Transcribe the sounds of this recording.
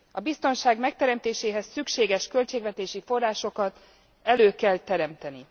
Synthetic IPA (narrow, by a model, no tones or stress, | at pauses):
ɒbist̪o̞nʃaːɡmɛk̚t̪ɛɾɛmt̪eːʃeːɦɛsːykʃeːɡɛʃkø̞lt͡ʃeːɡvɛt̪eːʃifo̞rːaːʃo̞kɒt̪ | ɛløːkɛlt̪ɛɾɛmt̪ɛni